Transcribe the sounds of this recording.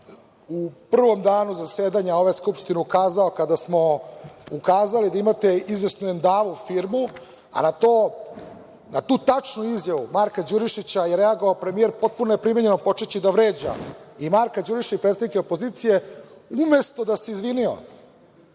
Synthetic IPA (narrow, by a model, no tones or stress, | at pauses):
upr̩ʋo̞md̪aːnuzaseːd̪aɲao̞ʋaeskupʂt̪ineukaːzao̞kad̪asmo̞ukaːzalid̪aimat̪e̞izʋe̞snuend̪aːʋufiːɾmu | a̰nat̪oː | nat̪uːt̪at͡ʂnuizjaʋumaɾkad͡ʒuɾiʃit͡ɕajeɾeaɡo̞ʋaopɾe̞mije̞ɾpo̞t̪̚punoje̞pɾimeɲe̞nopo̞t͡ʂet͡ɕid̪aʋɾeːd͡ʑa̰imaɾkad͡ʒuɾiʃaipɾet̪d̪nikeo̞poziːt̪sije̞ume̞st̪o̞d̪aseizʋinio̰